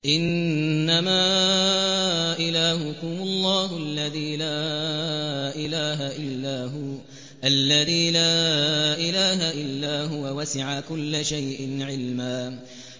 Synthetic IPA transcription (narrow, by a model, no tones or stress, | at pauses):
ʔɪnːamaː | ʔɪlaːɦʊkʊmʊlˤːɑːhʊʔalːaðiːlaː | ʔɪlaːɦaʔɪlːaːɦʊ | ʔalːaðiːlaːʔɪlaːɦaʔɪlːaːɦʊwawasɪʕakʊlːaʃajʔɪnʕɪlmaː